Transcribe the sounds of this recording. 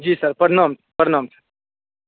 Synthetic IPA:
d͡ʒiːsɐɾpɐɾnaːmpɐɾnaːmsəɾ

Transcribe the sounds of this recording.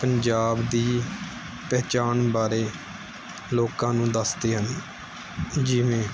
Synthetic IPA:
pəɲd͡ʒaːbd̪iː | pɛːt͡ʃaːnbaːɾeː | loːkãːnũːd̪əsd̪eːɦən | d͡ʒɪʋẽː

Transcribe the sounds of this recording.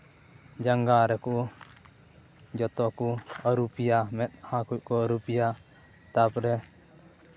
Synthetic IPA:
d͡ʒaŋɡaɾɛku | d͡ʒɔt̪ɔkuəɾupijamɛt̪̚hãkuc̚ˀkɔəɾupija | t̪apɾɛ

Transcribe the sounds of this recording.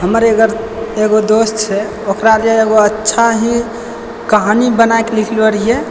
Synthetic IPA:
ɦəməɾeɡəɾ | eɡod̪ostt͡ʃʰɛ | okɾaɾaeɡoətːʃʰaɦi | kəɦanibənaekelikʰləɾie

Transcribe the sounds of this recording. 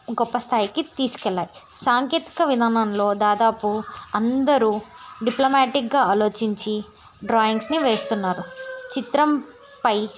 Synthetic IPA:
ɡɔpːɐst̪ʰaːjikit̪iːsu̥kɛɭːaːjisaːŋke̞ːt̪i̥kɐʋid̪ʱaːnɐmnlo̞ːd̪aːd̪aːpuɐnd̪ɐɾuɖiplomaːʈik̚ɡaːaːlo̞ːt͡ʃiɲt͡ʃi | ɖɾaːjiŋɡsniʋe̞ːst̪unːaːɾut͡ʃit̪ɾɐm | pɐj

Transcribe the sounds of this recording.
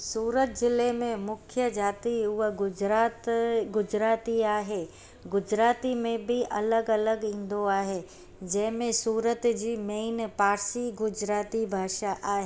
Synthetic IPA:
suːɾət̪̚zɪlemẽmʊkʰjəd͡ʑaːt̪iʊɦət̪ɡʊd͡ʑɾaːt̪iaːɦeː | ɡʊd͡ʑɾaːt̪imẽbʱiʔɐləɡɐləɡĩːn̆d̪oaːɦe | d͡ʑɐ̃ɦmẽsuːɾət̪d͡ʑiːmeːnpaːɾsiɡʊd͡ʑɾaːt̪ibʱaːʃaʔaːɦeː

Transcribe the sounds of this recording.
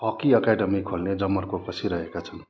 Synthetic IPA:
pʌkiʌkaɖʌmikʰolned͡zʌmːʌrkokʌsʰiɾʌɦekat͡sʰʌn

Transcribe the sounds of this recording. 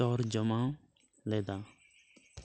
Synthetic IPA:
ɔːɾd͡ʒəmãː | leːd̪aː

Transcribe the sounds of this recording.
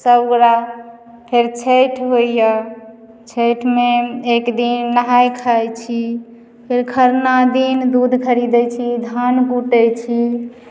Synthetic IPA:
səbɡɾa | pʰeɾt͡ʃʰejʈʰɦojə | t͡ʃʰejʈʰmeekd̪inːəɦajkʰajt͡ʃʰi | pʰeɾkʰəɾnad̪ind̪ud̪ʱkʰəɾid̪ɛt͡ʃʰid̪ʱanɡuʈəjt͡ʃʰi

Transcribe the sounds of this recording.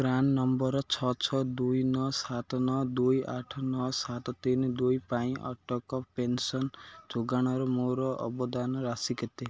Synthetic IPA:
ɡɾannɔmbɔɾɔt͡ʃʰɔt͡ʃʰɔd̪ujnɔsat̪ɔnɔd̪ujaʈʰɔnɔsat̪ɔt̪ind̪ujpaĩʔɔ̰ʈɔkɔpensɔnd͡ʒoɡaɽ̃ɔɾɔmoɾɔʔɔ̰bɔd̪anɔɾasiket̪e

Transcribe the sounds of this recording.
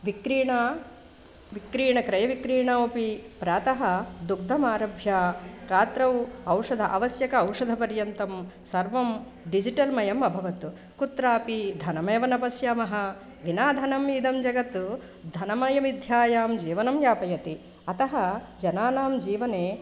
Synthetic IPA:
ʋikɾiːɳɐ | ʋikɾiːɳɐkɾɐjɐʋikɾiːɳɐopipɾaːt̪ɐɦɐ̆d̪uk̚d̪ʱɐmaːɾɐbʱjaːɾaːt̪ɾɐwɐwʂɐd̪ʱɐʔɐʋɐsjɐkɐːwʂɐd̪ʱɐpɐɾjɐnt̪ɐmsɐɾʋɐm | ɖid͡ʒiʈɐlmɐjɐmɐbʱɐʋɐt̪u | kut̪ɾaːpid̪ʱɐnɐmeːʋɐnɐpɐsjaːmɐɦɐ̆ | ʋinaːd̪ʱɐnɐmid̪ɐmd͡ʒɐɡɐt̪ːu | d̪ʱɐnɐmɐjɐmid̪ʱjaːjaːmd͡ʒiːʋɐnɐmjaːpɐjɐt̪i | ɐt̪ɐɦɐ̆ | d͡ʒɐnaːnaːmd͡ʒiːʋɐneː

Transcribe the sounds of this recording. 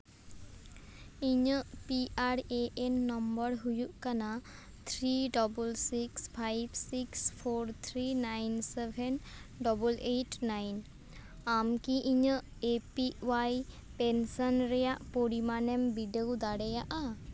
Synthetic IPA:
iɲəʔpiʔaɾeʔenːɔmbəɾɦujuʔkana | t̪ʰɾiɖɔbulsikspʰajbsikspʰoɾt̪ʰɾinajnsebʱɛnɖɔbɔleʈnajn | amkiʔiɲəʔ | epiwaj | pensɔnɾɛjaʔpoɾimanɛmbiɖəwd̪aɽɛjaʔa

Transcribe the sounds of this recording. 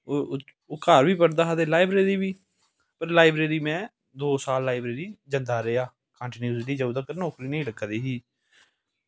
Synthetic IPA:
o | oːkaːɾʋiːpəɽd̪aːɦad̪eːlaːɪbɾeːɾiːbiː | pəɾlaːɪbɾeːɾiːmɛ̃ː | d̪oːsaːlːaːɪbɾeːɾiːd͡ʒənd̪aːɾeaː | kãːɳʈiːnjuːzliːd͡ʒəud̪aːkəɾnɔːkɾiːnəĩːləɡad̪iːɦiː

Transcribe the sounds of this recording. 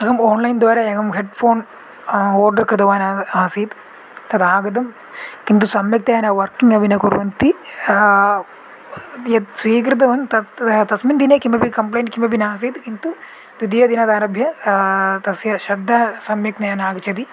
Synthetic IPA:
ɐɡɐmoːnlɐjnd̪ʋaːɾɐɐɡɐmɦeɖpʰoːn | oːɾɖɐɾkɾɨd̪ɐʋaːnɐaːsiːt̪ | t̪ɐt̪aːɡɐd̪ɐm | kint̪usɐmjɐk̚t̪ɐjɐnɐʋɐɾkiŋɡɐʋinɐkuɾṵʋɐnt̪i | jɐt̪sʋiːk̬ɾit̪̬ɐʋɐnt̪ɐt̪ɐsmind̪ineːkimɐbikɐmplejnʈkimɐbinaːs̬iːd̪kint̪u | d̪ud̪ijɐd̪inɐd̪aːɾɐbʱjɐ | t̪ɐsjɐʃɐb̚d̪ʱːasɐmjɐk̚nɐjɐnaːɡt͡ʃɐt̪i

